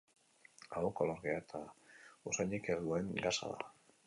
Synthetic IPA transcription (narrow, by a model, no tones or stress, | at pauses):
aɣokoloɾɣeat̪ʰaosaɲekeɾðueŋɡasa̰ða̰